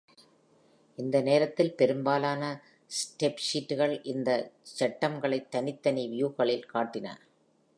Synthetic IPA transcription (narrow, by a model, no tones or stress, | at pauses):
ɪnd̪ɐneːɾɐt̪ːɪlpɛɾɯmbaːlaːnɐ | sʈepʂiːʈːɯɣɐɭʔɪnd̪ɐt͡ʃɐʈːɐmɡɐɭɐɪt̪ːɐnɪt̪ːɐniʋɪjuːɣɐɭɪlkaːʈːɪnɐ̰